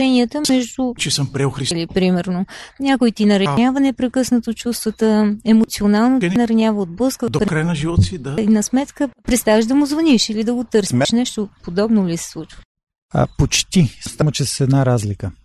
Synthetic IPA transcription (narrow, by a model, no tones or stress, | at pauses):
ɛniət̪əmɛʒd̪ut͡ʃɛsəmpɾɛoxɾilipɾimɛɾnonʲakoit̪inɐɾɐnʲavənɛpɾɛkɤsnət̪ot͡ʃust̪vət̪əɛmot̪sionalˠnonɐɾɐnʲavəod̪̚blɤskəd̪opɾɛkɾajnɐʒivot̪sid̪ainɐsmɛt̪kəpɾɛt̪st̪avəʒd̪ɐmʊzvɐniʃilid̪ɐɡot̪ɤɾsʃnɛʃt̪opod̪ɔbnolisɛ̥slˠut͡ʃvə | ɐ̰pot͡ʃt̪ist̪amot͡ʃɛsə̥sɛd̪naɾazlikə